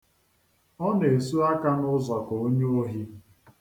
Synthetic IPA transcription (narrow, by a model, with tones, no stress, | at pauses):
ɔ˦ne˨e˨su˦a˦ka˦nʊ˦zɔ˨ko˨o˦ɲo˦o˦ɦi˦